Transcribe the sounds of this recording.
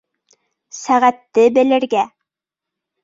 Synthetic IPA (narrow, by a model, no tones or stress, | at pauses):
sæʁæt̪ːɘbɘ̆lɘ̆ɾɡæ